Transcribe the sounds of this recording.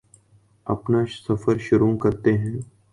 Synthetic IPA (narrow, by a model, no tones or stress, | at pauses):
ɐ̰pnasɐfəɾʃʊɾũːkɐɾt̪eɦɛ̃ː